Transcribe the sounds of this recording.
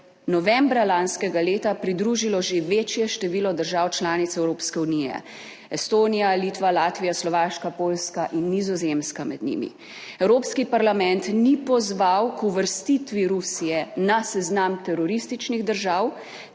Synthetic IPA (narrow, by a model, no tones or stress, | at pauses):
nɔʋɛmbɾalanskɛɡaleːt̪apɾid̪ɾuːʒilɔʒeʋeːt͡ʃjɛʃt̪ɛʋiːlɔd̪əɾʒaːwt͡ʃlaːnit̪sɛwɾoːpskɛunijɛ̰ | ɛst̪oːnijaliːt̪ʋalaːt̪ʋijaslɔʋaːʃkapoːlskaʔinːizɔzemskamɛd̪nḭmḭ | ɛwɾoːpskipaɾlamɛnt̪nipɔzʋawkuʋəɾst̪it̪ʋiɾusijɛnasɛznamt̪ɛɾɔɾist̪it͡ʃniɣd̪əɾʒaːw